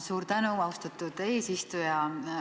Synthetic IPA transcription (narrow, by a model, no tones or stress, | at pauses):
suːɾt̪ænuɑwst̪ɑt̪ːˑud̪̥eːsist̪ujɑ